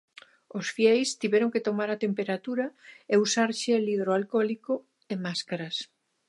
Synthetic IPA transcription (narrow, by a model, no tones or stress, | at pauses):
osfjɛjst̪iβɛɾoŋket̪omaɾat̪empeɾat̪uɾɐeusaɾʃeliðɾoalkɔliko | emaskaɾɐs